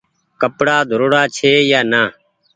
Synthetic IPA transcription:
kəpɽaːd̪ʱəɾoːɽaːt͡ʃʰeːjaːnaː

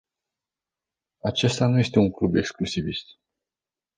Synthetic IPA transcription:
at͡ʃe̞st̪anuje̞st̪e̞uŋklube̞ksklusivist̪

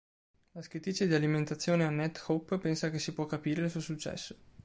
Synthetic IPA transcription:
laskɾit̪it͡ʃːed̪ialiment̪at̪sːjoːneanːɛt̪xopːpɛnsakesːipwɔkːapiːɾelsuosut͡ʃːɛ̰sːo̥

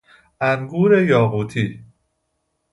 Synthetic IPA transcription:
ʔæŋɡuːɾe̞jɒːɣuːt̪ʰiː

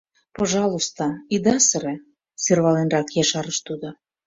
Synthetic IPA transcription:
poʒɑlˠust̪oid̪ɑsəɾe | serβɑlenrɑkjeʃɑɾəʃt̪ud̪o

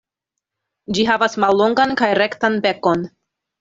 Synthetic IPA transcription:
d͡ʒiɦavasmalːo̞ŋɡankajɾe̞ktanbe̞ko̞n

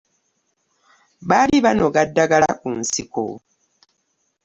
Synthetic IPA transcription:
βaliβanoɡadːaɡala̰kunsiko̰

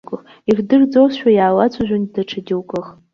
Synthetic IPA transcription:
kʼ | irdɨrd͡zowsʃᶣʷajaːwat͡sʷʰʼaʒʷᶣandaʈ͡ʂʰadʲiwkʼɨχ

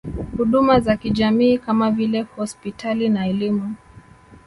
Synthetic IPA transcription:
huɗumazakiʄamiːkamavilɛhɔspitalinaɛlimu

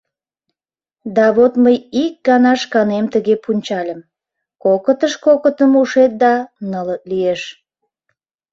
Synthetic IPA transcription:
d̪ɑβot̪məjik̚ɡɑnɑʃkɑnemt̪əɣepunʲt͡ɕɑlʲəm | kokət̪əʃkokət̪əmuʃet̪̚d̪ɑnələt̪̚lieʃ

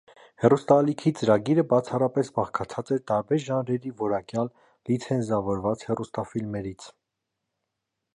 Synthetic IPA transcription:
hɛrust̪ɑlikʰit͡səɾɑɡiɾəbɑt͡sʰɑrɑpɛsbɑχkʰɑt͡sʰɑt͡sɛɾt̪ɑɾbɛɾʒɑnɾɛɾivɔɾɑkjɑlː | it͡sʰɛnzɑvɔɾvɑt͡shɛrust̪ɑfilmɛɾit͡sʰ

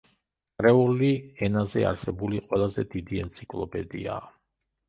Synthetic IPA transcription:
ɾɛuliɛnazɛ̰a̰ɾsɛbuliqʼwɛlˠazɛd̪id̪iɛnt̪sʰikʼlˠɔpʰʼɛd̪ḭa̰

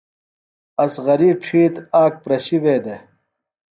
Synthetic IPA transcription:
ɐsʁɐɾiːb̚ʈ͡ʂʰiːt̪aːk̚pɾɐɕiʋeːd̪e

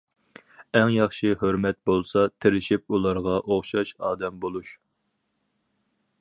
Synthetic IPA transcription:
ɛŋjɑχʃihøɾmɛt̪̚bolˠsɑt̪ʰɪɾɪʃip̚ulˠɑɾʁɑʔoχʃɑʃɑːd̪ɛmbolˠuʃ

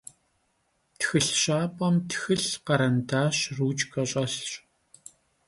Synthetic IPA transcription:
txɨɬʃaːpʼɐmtʰxɨɬqɐɾɐntaːʃruːt͡ʃɡɐɕʼɐɬɕʼ

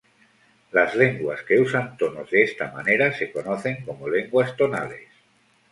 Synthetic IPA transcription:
lazle̞ŋɡwaske̞usant̪o̞nozðeest̪ama̰ne̞ɾase̞ko̞noθe̞ŋko̞mole̞ŋɡwast̪o̞na̰le̞̰s

